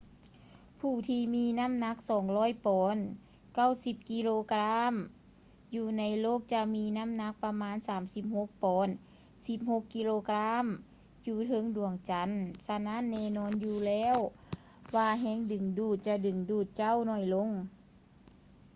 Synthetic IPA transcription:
pʰuː˧˩t̪ʰiː˧miː˧˥na˧˥˨mna˧˥k̚sɔː˨˩˦ŋlɔː˧˥˨jpɔː˨˦n | ka˧˥˨wsi˧˦p̚ki˧˥loː˧kɾa˧˥m | juː˧na˧˥jloː˥˩˨k̚t͡ɕa˧miː˧˥na˧˥˨mna˧˥k̚pa˧maː˧˥˨nsaː˨˦msi˧˦p̚ho˧˥k̚pɔː˨˦n | si˧˦p̚ho˧˥kːi˧˥loː˧kla˧˥˨m | juː˧t̪ʰɤ˧˥˨ŋdu˨˩əŋt͡ɕa˨˧˦nsa˧na˦˥˨nːɛː˧˨nɔː˧˥˨njuː˧lɛː˧˥˨w | waː˧ɦɛː˧˥˨ŋdɯ˨˩ŋduː˧˩t̪̚t͡ɕa˧dɯ˨˩ŋduː˧˩t̪̚t͡ɕa˧˥˩wnɔː˧˩jlo˧˥˨ŋ

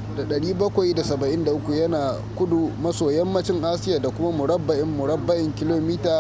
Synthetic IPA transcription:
da˨ɗɐ˨ɽiː˦bɐ˦kʷa˨jda˨sɐ˨bɐ˨ʔɪ˦nda˨ʔʊ˦kʷu˨jɐ˦naː˨ | kʷʊ˦du˨mɐ˦soː˨jɐ˦mːɐ˦t͡ʃɪ˦ŋʔaː˦sɪ˦jaː˨da˨kʷʊ˦ma˦mʊ˨ɽɐ˦bːɐ˦ʔɪ˦mːʊ˨ɽɐ˦bːɐ˦ʔɪ˨ŋkʲɪ˦loː˨miː˦taː˨

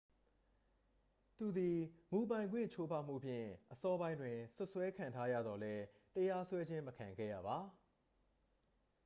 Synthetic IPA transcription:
t̪u˨d̪i˨mu˨pã˨ɪ̃ŋɡwɪ̰̃˦˨t͡ɕʰo˦pʰa˦˨m̥ṵ˦˨pʰjɪ̰̃˦˨ʔəsɔ˦bã˦ɪ̃ndwɪ̃˨sʊ˦ʔswɛ˦kʰã˨ntʰa˦jä̰˦˨d̪ɔ˨lɛ˦ | təja˦swɛ˦d͡ʑɪ̃˦məkʰã˨ŋɡɛ̰˦˨jä̰˦˨ba˨

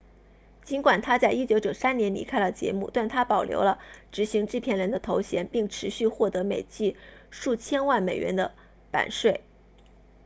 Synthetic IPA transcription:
t͡ɕi˧˥nkwa˨˩nt̪ʰa˥t͡sa˥˩ɪi˥t͡ɕjo˧˥t͡ɕjo˨˩ʊsa˥nnjɛ˧˥nlḭ˧˥kʰa˥ɪlə˨t͡ɕjɛ̰˧˥mṵ˥˧t̪wa˥˩nt̪ʰa˥pɑ˨˩ʊljo̰˧˥ʊlə˧ʈ͡ʂɻ̩˧˥ɕi˧˥ŋʈ͡ʂɻ̩˥˧pʰjɛ˥˩nɻə˧˥nd̪ə˧t̪ʰo˧˥ʊɕjɛ˧˥npi˥˩ŋʈ͡ʂʰɻ̩˧˥ɕy˥˧xwɔ˥˩t̪ɤ˧˥me˨˩ɪt͡ɕi˥˧ʂu˥˩t͡ɕʰjɛ˥nwa˥˩nme˨˩ɪɥɛ̰˧˥nd̪ə˧ | pa̰˨˩nʂwe˥˩ɪ

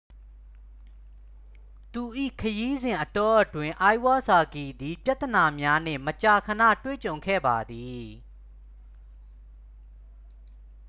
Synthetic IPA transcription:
t̪u˨ʔḭ˦˨kʰəji˦zɪ̃˨ʔətɔ˦ʔətwɪ̃˨ʔa˦wa˦sa˨ki˨d̪i˨pja˦ʔt̪ə˨na˨mja˦n̥ɪ̰̃˦˨mət͡ɕa˨kʰəna̰˦˨twḛ˦˨t͡ɕõ˨ʊ̃ŋkʰɛ̰˦˨ba˨d̪i˨

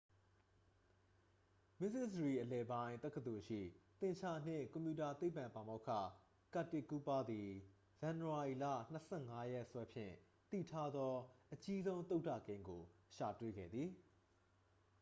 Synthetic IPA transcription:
mɪ˦sɪ˦˨səɹi˨ʔəlɛ˨bã˦ɪ̃nt̪ɛ˦ʔkːət̪o˨ʃḭ˦˨t̪ɪ̃˨t͡ɕʰa˦˨n̥ɪ̰̃˦˨kɔ̃˨mpju˨ta˨t̪e˦pːã˨mpã˨mo˦ʊkʰä̰˦˨ | ka˦˨tːɪ˦˨ku˦pa˦d̪ði˨ | zã˨nu˨a˨i˨lä̰˦˨n̥əsʰɛ˦˨ŋa˦jɛ˦ʔswɛ˦pʰjɪ̰̃˦˨ | t̪ḭ˦˨tʰa˦d̪ɔ˦ʔət͡ɕi˦zõ˦ʊ̃nt̪o˦tä̰˦˨kẽ˦ɪ̃ŋɡo˨ʃa˨twe˦ɡɛ̰˦˨d̪ði˨

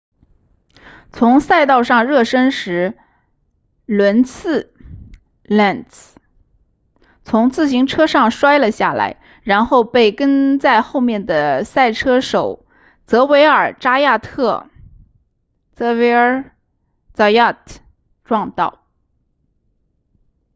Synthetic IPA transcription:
t͡sʰʊ˧˥ŋsa˥˧ɪt̪ɑ˥˧ʊʂɑ˥˧ŋɻɤ˥˩ʂə˥nʂɻ̩˧˥ | lwə˧˥nt͡sʰɹ̩˥˩ | la˥˩nt͡s | t͡sʰʊ˧˥ŋt͡sɹ̩˥˩ɕi˧˥ŋʈ͡ʂʰɤ˥ʂɑ˥˩ŋʂwa˥ɪlə˨ɕja˥˩la̰˧˥ɪ | ɻa˧˥nxo˥˧ʊpe˥˩ɪkə˥nt͡sa˥˧ɪxo˥˧ʊmjɛ˥˩nd̪ə˩sa˥˩ɪʈ͡ʂʰɤ˥ʂo˨˩ʊ | t͡sɤ˧˥we˧˥ɪə˞˨˩ʈ͡ʂa˥ja˥˧t̪ʰɤ˥˩ | t͡sɤ˧˥we˧˥ə˧˥ | t͡sɑ˧˩ja˥˧t | ʈ͡ʂwɑ˥˧ŋt̪ɑ˥˩ʊ

